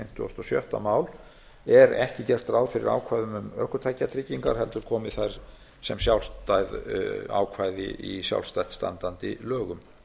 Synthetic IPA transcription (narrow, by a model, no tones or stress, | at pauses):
ɪm̥t̪ʏɔ̰st̪ɔsjœ̰ht̪amaːwl | ɛɾɛhcɪcɛr̥t̪ɾaːwðfɪɾɪ̰ɾa̰ːwkʰvajðʏmʏmœ̰hkʏt̪ʰajcːat̪ʰɾɪciŋkaɾ̥hɛlt̪ʏɾ̥kʰɔːmɪðθajɾ̥ | sɛmsjawlst̪ajða̰ːwkʰvaːjðɪ̰ʔisja̰wlst̪ajht̪st̪a̰nt̪ant̪ɪlœːɣʏm